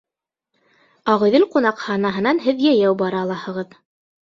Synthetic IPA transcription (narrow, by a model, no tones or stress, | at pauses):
ɑʁɤ̆ðɘlqunɑqhɑnɑɦɤ̆nɑnɦɘðjæjæwbɑɾɑːlˠɑhɤ̆ʁɤð